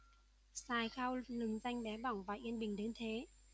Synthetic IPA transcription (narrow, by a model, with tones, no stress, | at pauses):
saː˨˩jxaː˧wlɨ˨˩ŋza˧jŋ̟ɓɛ˨˦ɓa˧˩wŋ͡mvaː˨˩ʔi˧ənɓï˨˩ŋ̟ɗe˨˦nt̪ʰe˨˦